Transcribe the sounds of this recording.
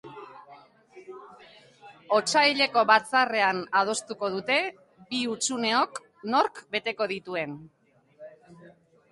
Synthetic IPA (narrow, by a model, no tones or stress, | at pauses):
o̞t͡ʃajʎe̞ko̞βat͡sare̞anað̞o̞st̪uko̞ð̞ut̪e̞ | biut͡sune̞o̞k | no̞ɾkbe̞t̪e̞ko̞ð̞it̪ue̞n